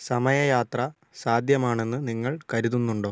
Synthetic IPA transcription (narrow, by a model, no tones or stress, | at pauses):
sɐmɐjɐjaːt̪rɐ | saːd̪ʱjɐmaːɳe̞nːɨniŋːɐɭkɐɾuðunːuɳɖo̞ː